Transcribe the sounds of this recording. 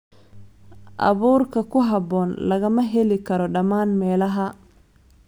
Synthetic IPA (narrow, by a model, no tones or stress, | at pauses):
ʔɑ̰βuːrkʰɐkʰʊɦɑbɔːnlɐɣɐmɐɦɛlɪkʰɐɾɔɖɐmaːnmɛːlɐɦɐ